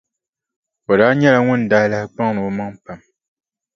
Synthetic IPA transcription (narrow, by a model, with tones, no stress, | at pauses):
o˨daː˦ɲɛ˦la˨ŋʊ˦n˨daː˦la˦hk͡pa˦ŋ˦nɨ˨ma˦ŋpa˨m